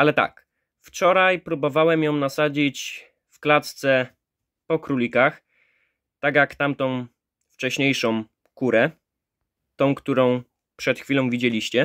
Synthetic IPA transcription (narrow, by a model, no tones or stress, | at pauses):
alɛt̪a̰k | ft͡ʂɔɾajpɾubɔvawɛmjɔ̃w̃nasad͡ʑit͡ɕ | fklat̪st̪sɛ | pɔkɾulʲikax | t̪aɡjakt̪amt̪ɔ̃w̃ | ft͡ʂɛɕɲejʂɔ̃w̃ | kuɾɛ | t̪ɔ̃w̃kt̪uɾɔ̃w̃ | pʂɛt̪xfʲilɔ̃w̃vʲid͡ʑelʲiɕt͡ɕɛ